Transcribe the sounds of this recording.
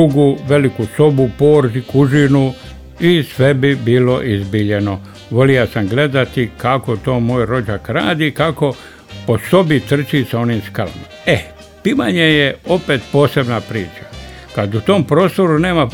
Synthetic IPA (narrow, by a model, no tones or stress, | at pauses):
uɡuʋe̞likuso̞bupoːɾzikuʒinu | isʋe̞bibiːlo̞ʔizbiʎe̞no̞ | ʋo̞lijasamɡle̞d̪at̪ikakot̪o̞ːmoːjɾo̞d͡ʒakɾa̰ːd̪ikako̞ | po̞so̞bit̪r̩t͡ʃiːsao̞nimskalmome | piʋaɲejeo̞peːt̪po̞ːse̞bnapɾiːt͡ʃḁ | kad̪ut̪o̞mpɾo̞ːst̪o̞ɾune̞ːma